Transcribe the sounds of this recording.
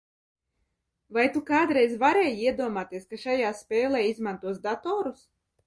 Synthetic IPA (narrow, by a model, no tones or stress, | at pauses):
vajt̪ukaːd̪ɾɛjzvaɾɛːjiɛd̪uɔmaːt̪iɛskaʃajaːspʲɛːlˠɛːizmant̪uɔsd̪at̪ɔːɾus